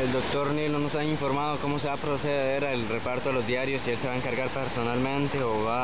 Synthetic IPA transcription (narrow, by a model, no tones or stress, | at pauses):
eld̪o̞kt̪o̞ɾnilnono̞saiɱfo̞ɾmaðoko̞mo̞s̬eβapɾoseeɾaelre̞paɾt̪oelo̞zd̪jaɾjo̞sielseβaeŋkaɾɣaɾpeɾso̞nalmẽnt̪eoβa